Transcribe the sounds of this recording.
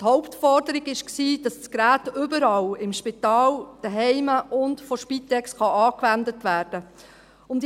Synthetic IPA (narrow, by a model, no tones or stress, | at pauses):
thɔʊptfɔɾdəɾɪɡɪʃksiːd̥ɑsskɾæːtʏbəɾɑlɪmʃpɪtɑːld̥əɦɛɪməʔʊntfɔʃpitɛksχɑʔɑːkʋændətʋæːɾd̥ə | ʊmd